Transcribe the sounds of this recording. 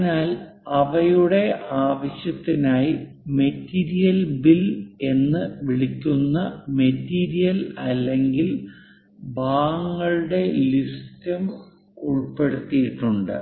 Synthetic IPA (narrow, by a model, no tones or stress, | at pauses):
naːl | ɐʋɐjuɽe̞aːʋɐɕjɐt̪ːinaːji | me̞tːiːɾijɐlbile̞nːɨʋiɭikʲːunːɐme̞tːiːɾijɐlɐlːe̞ŋɡil | baːŋːɐɭɨɽe̞listɐm | uɭpe̞ɽut̪ːijiʈːuɳɖɨ̰